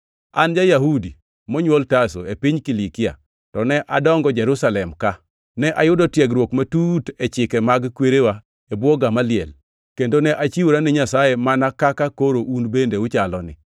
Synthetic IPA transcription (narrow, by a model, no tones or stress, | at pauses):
a̰nd͡ʒajaɦudi | mɔɲwoltaso̰epiɲkilikɪa̰ | tɔnɛʔadɔŋɡɔd͡ʒɛɾusalɛmka | nɛʔajʊdɔtjɛɡɾwokmatutɛt͡ʃɪkɛmaɡkweɾewa | ebwɔɡamalɪɛl | kendonɛʔat͡ʃiwuɾanɪɲasajemanakakakoɾoʔunbendeʊt͡ʃalɔnɪ̰